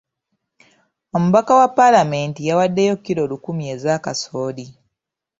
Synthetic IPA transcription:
o̞muβakawapːalame̞ːntijawadːejo̞kːiɾo̞ːlukumje̞ːzakaso̞ːli

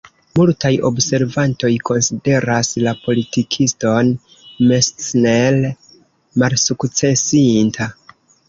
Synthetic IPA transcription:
multajo̞̰bse̞ɾvanto̞jkʰo̞nside̞ɾaslapo̞litikʰisto̞n | mesnel | malsukt͡se̞sintʰa

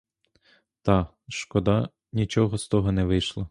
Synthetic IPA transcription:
t̪ɑ | ʃkɔd̪ɑ | nʲit͡ʃɔɦɔst̪ɔɦɔnɛʋɪjʃlˠɔ

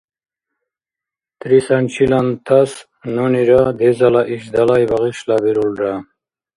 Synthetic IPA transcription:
t̪ɾisant͡ɕʰilant̪ʰas | noniɾad̪ezalaʔiɕd̪alajbaʁiɕlabiɾulɾa

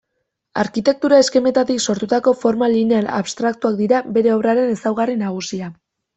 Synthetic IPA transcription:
aɾkit̪e̞k̚t̪uɾae̞ske̞me̞t̪at̪ikso̞ɾt̪ut̪ako̞fo̞ɾmaline̞ana̰βst̪ɾak̚t̪uak̚d̪iɾabe̞ɾe̞oβraɾe̞ne̞sawɣarinaɣ̞usia

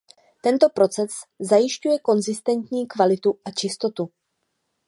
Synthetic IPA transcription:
t̪ɛnt̪o̞pɾo̞t͡sɛszajɪʃcujɛko̞nzɪst̪ɛnt̪ɲiːkvalɪt̪uʔat͡ʃɪst̪o̞t̪u

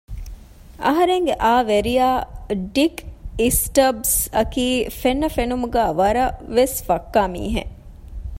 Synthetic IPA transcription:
ʔɐɦɐɾeŋɡeʔaːʋeɾijaːɖikisʈɐbsɐkiːfenːɐfenumuɡæːʋɐɾɐʋesfɐkːaːmḭːɦḛ

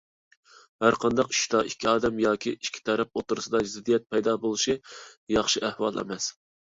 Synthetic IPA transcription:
hæɾqʰɑnd̪ɑqi̥ʃd̪ɑʔikʲʰːiɑːd̪ɛmjɑːkʲʰiiʃkʲʰːi̥t̪ʰɛɾɛp̚ot̪uɾɨsɨd̪ɑzɪd̪ijɛt̪̚pʰɛjd̪ɑbolˠuʃijɑχʃiæhwɑlˠɛ̰mɛs

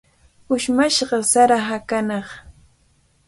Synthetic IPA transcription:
ʊʃmaʃɢɑsaɾaɦakanɑχ

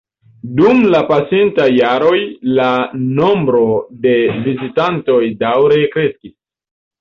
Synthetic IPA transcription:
dumlapasentajaɾo̞jlano̞mbɾo̞de̞vizitanto̞jdawɾe̞kɾe̞skis

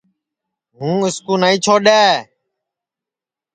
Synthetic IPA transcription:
ɦũːɪskuːnəːĩːt͡ʃʰoːɗeː

